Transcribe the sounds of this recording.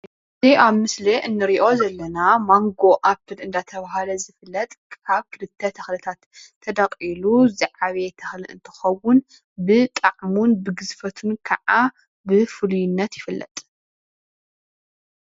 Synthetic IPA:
ɨziʔaβmɨsleʔɨnːɨɾiʔo̞zɐlːɐnamaŋɡo̞ʔapʰːɨlɨnd̪at̪ʰɐβahalɐzɨfɨlːɐt̪ʼkaβkʰɨlɨt̪ʰːɐt̪ʰɐxlɨt̪ʰat̪ʰː | ɐd̪aqʼiluzaʕaβet̪ʰɐxlɨʔɨ̰nt̪ʰɨ̥xɐwːʊn | bɨt̪ʼɐʕmunbɨɡɨzfɐt̪ʰunkʰɐʕa | bɨfɨlujɪnːɐt̪jɪfɨlːɐ̰t̪ʼ

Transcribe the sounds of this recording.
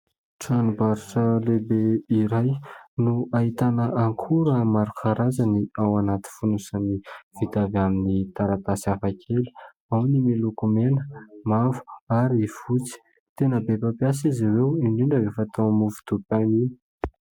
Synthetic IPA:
ʈ͡ʂanubaɾiʈ͡ʂəlebeiɾajnuʔaɦit̪anəʔaŋkʰuɾəmaɾukʰaɾazaniawanat̪i̥funusaniv̥it̪avaminit̪aɾat̪asafakʰeli̥ | awnimilukumenəmavu̥aɾifut͡si̥ | t̪enəbepapias̬iziwewiɳɖ͡ʐiɳɖ͡ʐəvefat̪oamuvu̥t̪upanini̥

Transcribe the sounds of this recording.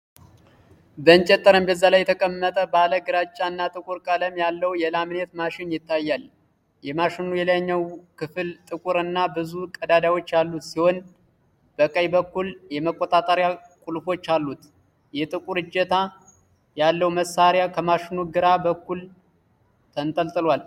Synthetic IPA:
bəɨnt͡ʃʼɛt̪ʼːəɾəmbəzːalajːɛt̪ʰəkʼəmːət̪ʼəbaləɡɨɾat͡ʃʼːaɨnːat̪ʼɨkʼuɾkʼaləmjalːəwjɛlamnet̪maʃɪnjɪt̪ʰːajːal | jɛmaʃɪnujɛlaɲːəwkʰɨfɨlt̪ʼɨkʼuɾɨnːabɨzukʼəd̪ad̪awo̞t͡ʃːjalːut̪siho̞n | b̥əkʼəjbəkːuljɛməkʼːot̪ʼat̪ʼəɾjakʼulfo̞t͡ʃːalːut̪ | jɛt̪ʼɨkʼuɾɨd͡ʒɛt̪ʰa | jalːəwuməsːaɾjakʰəmaʃɪnuɡɨɾabəkːul | t̪ʰənt̪ʼəlt̪ʼɨlwal

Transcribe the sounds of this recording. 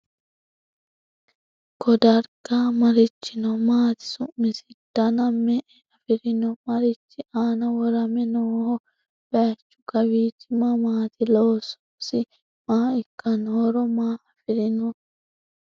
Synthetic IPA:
kɔd̪ɐɾɡamɐɾɪt͡ʃːɪnɔmaːt̪ɪ̥sʊmːɪsɪ̥d̪̥ɐnɐmɛʔɛɐfɪɾɪnɔmɐɾɪt͡ʃːɪʔaːnɐwɔɾɐmɛnoːhɔ | bɐt͡ʃːʊ̥ɡɐwiːt͡ʃːɪmɐmaːt̪ɪloːsɔ̥msɪ | maːɪkːɐnhɔɾɔmaːʔɐfɪɾɪnɔ

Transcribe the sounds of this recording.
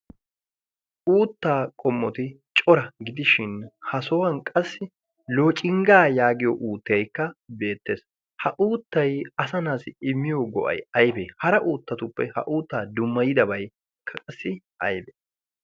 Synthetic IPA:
ʔuːt̪ːaːkʼɔmːɔt̪ɪ | t͡ʃʼɔɾɐɡɪd̪ɪʃɪnhɐsɔwɐŋkʼɐsːɪ | loːt͡ʃʼɪŋɡaːjaːɡɪjɔʔuːt̪ːɪjɐjkːɐbe̞ːt̪ːe̞ːs | hɐʔuːt̪ːɐjɐsɐnaːsɪɪmːɪjoɡɔ̰ʔɐ̰jɐjbeːhɐɾɐʔuːt̪ːɐt̪ʊpːɛhɐ̰ʔuːt̪ːaːd̪ʊmːɐjɪd̪ɐbɐj | kʰːɐkʼɐsːɪ | ʔɐjbe

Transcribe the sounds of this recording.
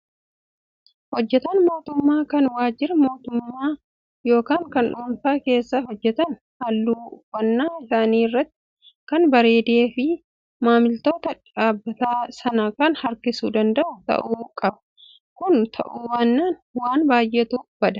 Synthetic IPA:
hɔd͡ʒːɛt̪ɐnmo̞ːt̪ʊmːaːkɐnwaːd͡ʒɪɾɐmo̞ːt̪ʊmːaː | jo̞ːkaːŋkɐnᶑuːnfaːke̞ːsːɐɦɔd͡ʒːɛt̪ɐn | hɐlːuːwɐnːaːɪsaːniːrːɐt̪ːɪ̥ | kɐnbɐɾe̞ːd̪e̞ːfɪ | maːmɪlt̪o̞ːt̪ɐᶑaːbːɐt̪aːsɐnɐkɐnhɐɾkɪsuːd̪ɐnd̪ɐʔʊt̪ɐ̰ʔuːkʼɐbɐ | kʊnt̪ʰɐ̰ʔuːwaːnːaːnwaːnbaːjʔɛt̪uːb̥ɐd̪ɐ̥

